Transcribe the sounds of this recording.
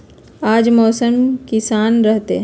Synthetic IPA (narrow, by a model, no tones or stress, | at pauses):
aːd͡ʒmɔːsəmkɪsaːnɾɐɦt̪eɦ